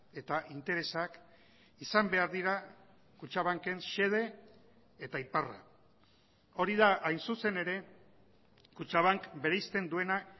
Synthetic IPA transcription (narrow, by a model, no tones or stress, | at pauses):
e̞t̪aʔint̪e̞ɾe̞sak | isambe̞aɾðiɾa | kut͡ʃaβ̞aŋke̞nse̞ð̞e̞ː | t̪aipara̰ | o̞ɾiðaʔajnsuse̞ne̞ɾe̞ | kut͡ʃaβ̞aŋkbe̞ɾejst̪e̞nd̪ue̞na